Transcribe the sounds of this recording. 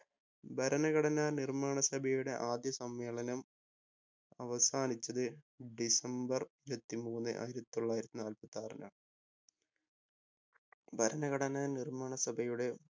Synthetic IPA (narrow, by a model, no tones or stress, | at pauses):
bʱɐɾɐnɐɣɐɽɐnaːnirmaːɳɐsɐbʱɐjuɽe̞ʔaːd̪jɐsɐmːeːɭɐnɐm | ɐʋɐsaːnit͡ɕːɐðɨ | ɖisɐmbɐriɾɐt̪ːimuːnːɨ̰ʔa̰ːjiɾɐt̪ːi̥t̪o̞ɭːaːjiɾɐt̪ːinaːlpɐt̪ːaːrɐnɐ̰ | bʱɐɾɐnɐɣɐɽɐnaːnirmaːɳɐsɐbʱɐjuɽe̞